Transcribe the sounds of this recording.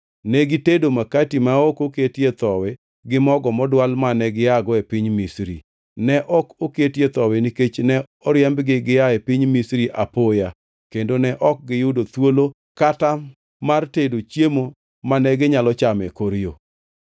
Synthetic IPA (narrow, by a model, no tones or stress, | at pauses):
nɛɡɪtedomakatimaokoketjet̪ɔwɛ | ɡɪmɔɡɔmɔdwalmanɛɡɪjaɡɔepiɲmisɾḭ | nɛʔɔkoketjet̪ɔwɛniket͡ʃnɛ | ɔɾjɛmbɡɪɡɪjaepiɲmisɾiʔapoja | kendonɛʔɔk̚ɡɪjʊdot̪wolo | kata | martedot͡ʃjemo | manɛɡɪɲalɔt͡ʃamɛ̰koɾjo̰